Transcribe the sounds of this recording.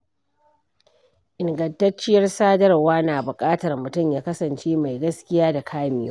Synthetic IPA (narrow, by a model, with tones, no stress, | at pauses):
ʔɪ˨ŋɡɐ˨ntɐ˦t͡ʃːɪ˦jɐ˦rsaː˦dɐ˦rwaː˦naː˨bʊ˨kʼaː˦tɐ˨rmʊ˨tʊ˦˨mjaː˦kɐ˦sɐ˨nt͡ʃeː˦ma˨jɡɐ˦skʲɪ˦jaː˦da˨kʰaː˦mɪ˦jo̰˦